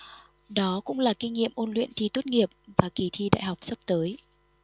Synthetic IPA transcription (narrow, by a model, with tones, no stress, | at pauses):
ɗɔ˨˦kʊ̰˧˥ŋ͡mlaː˨˩ki˧ŋ̟ŋːḭ˧˨əmʔo˧nlwḭ˧˨ənt̪ʰi˧t̪u˦˥t̚ŋi˨˩əp̚vaː˨˩ki˧˩t̪ʰi˧ɗa̰˧˨jha˨˩wk͡p̚sə˦˥p̚t̪əː˨˦j